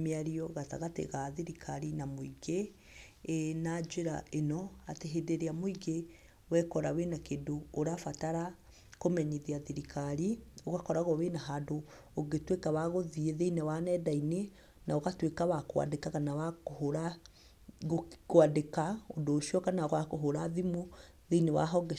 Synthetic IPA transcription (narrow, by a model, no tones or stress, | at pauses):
meaɾiɔɣata̰ɣatḛɣaðiɾikʰaɾinamoiɣe | enad͡ʒeɾa̰ʔenɔateɦedeɾeamoiɣe | wɛkɔɾa̰wenakedoːɾafataɾa | komɛɲeðiaðiɾikʰaɾioɣakɔɾaɣɔβenaɦado | oɡetwekaβaɣoðieðeinawanɛdaine | naoɣatwekaβakwa̰dekaɣanawakoɦoɾa | koadekaodoːʃiɔkanaɔɣakoɦoɾaðimo | ðeinewa̰ɦɔɡɛ